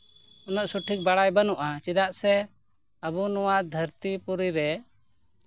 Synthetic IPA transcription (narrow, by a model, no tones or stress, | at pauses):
ɔnəʔsuʈʰik̚baɽajbanuʔat͡ʃid̪aʔsɛ | əbunɔwad̪ʱəɾt̪ipuɾiɾɛ